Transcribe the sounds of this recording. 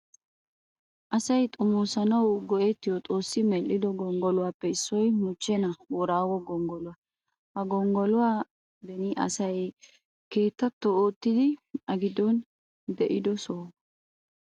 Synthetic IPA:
ʔɐsɐjt̪ʼʊmuːsɐnɐwɡɔʔet̪ːɪjɔt̪ʼo̞ːsːɪmɛlːɪd̪ɔɡɔŋɡɔlʊwaːpːɛɪsːɔjmʊt͡ʃːɛnɐwɔɾaːwɔɡɔŋɡɔlʊwa | hɐɡɔŋɡɔlʊwaː | b̪ɛnɪʔɐ̰sɐj | ke̞ːt̪ːɐt̪ːooːt̪ːɪd̪ɪɐɡɪd̪ɔn | d̪ɛʔɪd̪ɔsoː

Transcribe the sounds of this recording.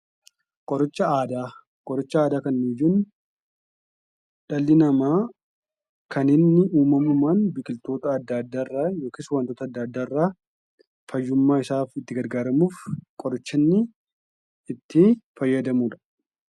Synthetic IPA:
kʼɔɾɪt͡ʃːɐaːd̪aː | kʼɔɾɔt͡ʃːɐaːd̪aːkɐnniːjuːn | ᶑɐlːɪnɐmaː | kɐnɪnːɪuːmɐmʊmaːnbɪkɪlt̪o̞ːt̪ɐɐd̪ːad̪ːaːɪrːaːjo̞ːkɪswɐnt̪oːt̪ɐd̪ːɐd̪ːaːɪrːaː | fɐjːʊmːaːɪsaːfɪt̪ːɪɡɐɾɡaːɾɐmuːfkʼɔɾɔt͡ʃːɐnːɪ | ɪt̪ʰːɪfɐjːɐd̪ɐmuːᶑɐ̥

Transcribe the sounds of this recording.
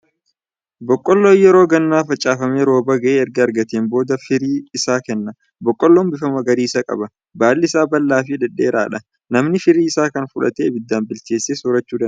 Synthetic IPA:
bɔkʼːɔlːoːjɛɾo̞ːɡɐnːaːfɐt͡ʃʼːaːfɐmeːɾo̞ːbɐɡɐʔeːɛɾɡɐːɾɡɐt̪eːnbo̞ːd̪ɐfɪɾiːɪsaːkɛnːɐ | bɔkʼːɔlːoːmbɪfɐmɐɡɐɾiːsɐkʼɐ̰bɐ | baːlːɪɪsaːbɐlːaːfɪd̪ɛᶑːḛːɾa̰ːᶑɐ | nɐmnɪfɪɾiːɪsaːkɐnfʊᶑɐ̰t̪eːbɪd̪ːaːnbɪlt͡ʃe̞ːsːeːsʊɾɐt͡ʃːuːd̪ɐ

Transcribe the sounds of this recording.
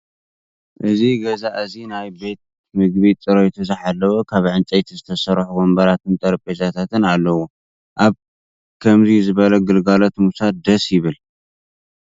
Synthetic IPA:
ʔɨziɡɐzaʔɨzinajbe̞t̪̚ | mɨɡβit̪ʼɨɾojt̪ʰuzɨħalːɐwokʰaβʕɨnt͡ʃʼejt̪ʰizɨt̪ʰɐsɐɾħuɡombɐɾat̪ʰɨnt̪ʼɐɾpʼezat̪ʰat̪ɨnalːɐwo | ʔaβ | kʰɐmzizɨβɐlɐɡɨlɡalot̪musad̪ɐsjɪβɨl

